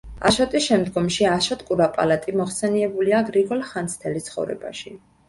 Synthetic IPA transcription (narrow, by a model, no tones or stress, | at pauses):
a̰ʃɔt̪ʼisʃɛmd̪ɡɔmʃiaʃɔt̪ʼkʼuɾapʼa̰lat̪ʼimɔχsɛniɛbuliaɡɾiɡɔlχansʰt̪ʰɛlist̪sʰχɔ̰vɾɛ̰ba̰ʃi